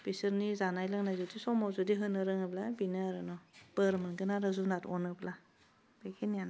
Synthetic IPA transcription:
pisɯɾnizanajlaŋnajzudisɔmawzudiɦɯnɯɾɯŋɯblabinɯaɾɯnɔb̥ɯɾmɯnɡɯnaɾazunatɔnɯbla | bekʰinijan

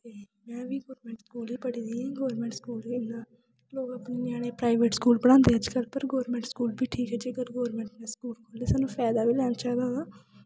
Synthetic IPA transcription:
t̪eː | mɛ̃ːʋiːɡoːɾmɛ̃ːɳʈskuːliːpəɽiːd̪iːãːɡoːɾmɛ̃ɳʈskuːliɪnaː | loːɡapneːnaːɽ̃eːpɾaːɪʋeːʈskuːlbəɽ̃ãːnd̪eːəd͡ʒkəlpəɾɡɔːɾmɛ̃ːɳʈskuːlbiːʈʰiːkɦɛːd͡ʒeɡəɾɡoːɾmɛ̃ːɳʈneːskuːlkʰoːleːsaːnũːpʰɛːd̪aːbiːlɛːnat͡ʃaːid̪aːɡaː

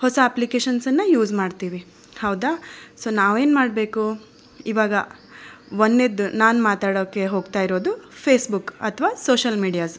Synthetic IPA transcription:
hɔsɐɐplikeːʃɐnsɐnːɐjuːd͡ʒmaːɖt̪iːʋi | hɐwd̪asoːnaːʋeːnmaːɽbe̞ːku | iʋaːɡɐ | ʋonːed̪ːunaːnmaːt̪aːɽoːkːe̞ɦo̞ːɡt̪aːjiɾo̞ːd̪upʰeːsbukɐt̪ʰɐʋaːsoːʃɐlmiːɖijaːs

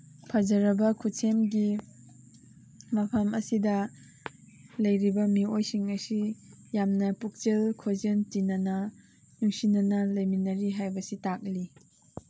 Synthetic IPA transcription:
pʰɐzɐɾɐbɐkʰusʰemɡi | mɐpʰɐmɐsidɐ | lɐjɾibɐmiojsiŋɐsijamnɐpuk̚t͡ʃelkʰozɐntinɐnɐ | nuŋsinɐnɐlɐjminɐɾiɦajbɐsitak̚li

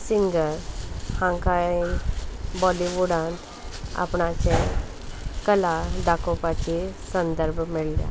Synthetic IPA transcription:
siŋɡəɾhãŋkainbɔliʋuɽãnt̪ | a̰pɳat͡ɕẽ | kəlad̪akopat͡ɕisənd̪əɾbʱmiɭlja̰

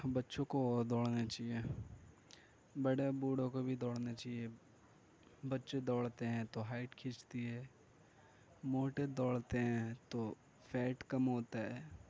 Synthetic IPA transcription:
bɐtːʃõkod̪ɔːɽnat͡ʃaːie | bəɽebuːɽõkobʱid̪ɔːɽnat͡ʃaːɦie | bɐtːʃed̪ɔːɽt̪eɦɛ̃t̪oɦaːɪʈkʰɪt͡ʃt̪iɦɛː | moːʈed̪ɔːɽt̪eɦɛ̃t̪o | fʰɛːʈkɐmɦoːt̪aɦɛː

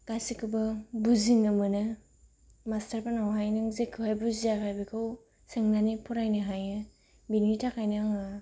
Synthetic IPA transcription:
ɡ̥asikʰɯbɯbuziŋɯmɯnɯ | mastaɾpanawɦajnɯŋzekʰːɯhajbuziakʰajbɯkʰɯw | sɯŋnanipʰɔɾajnɯɦajnɯ | binitʰakajnɯŋɯ

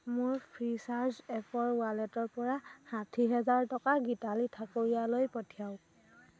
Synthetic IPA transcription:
mʊɹpʰɹisaɹzɛpʰɔɹwalɛtɔɹpɔɹahatʰiɦɛzaɹtɔkaɡitalitʰakoɹijalojpɔtʰijaʊ̃

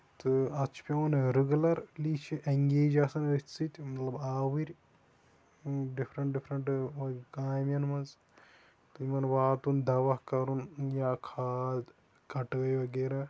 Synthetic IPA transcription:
t̪ɨɐt͡ʃʰpʲɐɐnɾɨɡlɐɾlit͡ʃʰiʔɐŋɡeːd͡ʒasɐnɨt͡sɨt̪ʲmɐt̪lɐbaːwɨɾʲ | ɖifʰɾɐɳʈɖifʰɾɐɳʈʋɐkaːjmʲjɐnmɐnz | t̪ɨimɐnʋaːt̪und̪ɐʋɐkɐɾunjaːkʰaːd̪ | kɐʈəːjʋɐɡeːɾaː

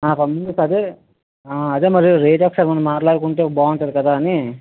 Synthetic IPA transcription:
aːpɐmund̪ɐsɐd̪e | aːɐd̪eːmɐɾiɾeːd͡ʒaːksaːɾmɐnːɐmːaːʈlaːɽukuɳʈekbaːuɳʈɐd̪ikɐd̪aːɐni

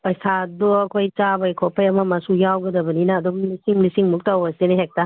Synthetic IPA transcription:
pɐjsadoɐkʰojt͡ʃabɐjkʰɔpʰɐjɐmɐmɐsujawɡɐdɐbɐninaːdumlisiŋlisiŋmuk̚tawɐseneɦek̚ta

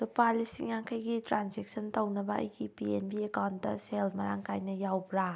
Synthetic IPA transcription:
sopalisiŋaŋkʰɐjɡitɾanzek̚səntɐwnɐbɐɐ̰jɡipienbiekawndɐ̰selmɐɾa̰ŋkajnɐjawbɾa

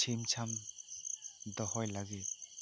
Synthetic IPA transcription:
t͡ʃʰemt͡ʃʰam | d̪ɔhɔjlaɡi

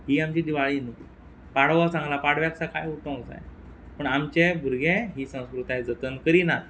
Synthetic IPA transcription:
ɦiːamt͡ɕiːd̪iʋaɭinuki | paɽʋasãŋɡlapaɽ̤ʋjaksakajuʈ̪ə̃t͡sa̰j | pəɳamt͡ɕebʱuɾɡẽɦiːsə̃w̃skɾut̪aed͡zət̪ənkəɾiːnat̪

